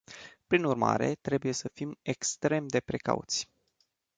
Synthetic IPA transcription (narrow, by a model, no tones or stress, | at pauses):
pɾinurma̰ɾe̞̰t̪ɾe̞buje̞səfime̞kst̪ɾe̞md̪e̞pɾe̞ka̰ṵt̪sʲ